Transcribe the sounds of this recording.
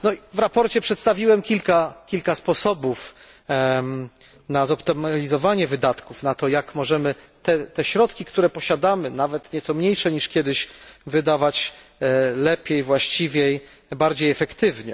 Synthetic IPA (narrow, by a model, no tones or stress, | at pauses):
nɔivɾapɔɾt͡ɕɛpʂɛt̪st̪avʲiwɛmkʲilkakʲilkaspɔsɔbuf | nazɔpt̪ɔmalʲizɔvaɲɛvɘd̪at̪kufnat̪ɔjakmɔʐɛmɘt̪ɛt̪ɛɕɾɔt̪kʲikt̪uɾɛpɔɕad̪amɘnavɛt̪ɲɛt̪sɔmɲejʂɛɲiʂkʲɛd̪ɘɕvɘd̪avat͡ɕ | lɛpʲjejvwaɕt͡ɕivʲjej | baɾd͡ʑejɛfɛkt̪ɘvɲɛ̰